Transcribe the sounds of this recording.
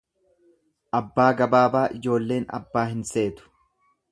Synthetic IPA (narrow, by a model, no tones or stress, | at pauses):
ʔɐbːaːɡɐbaːbaːʔɪd͡ʒo̞ːlːe̞ːnɐ̰bːaːɦɪnse̞ːt̪ʊ̥